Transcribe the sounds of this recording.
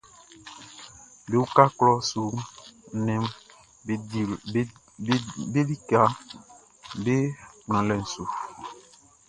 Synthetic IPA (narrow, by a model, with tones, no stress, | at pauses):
be˨wu˦ka˦klɔ˦su˨˦ | nɛ̃˨m˨˦ | be˦li˦ka˨ | be˦k͡pñã˨lɛ˨n̩˨su˨